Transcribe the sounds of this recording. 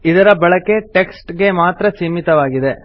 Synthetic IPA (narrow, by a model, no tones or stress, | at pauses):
id̪ɐɾɐbɐɭɐkːeʈeksʈɡe̞maːt̪ɾɐsimit̪ɐʋaːɡid̪e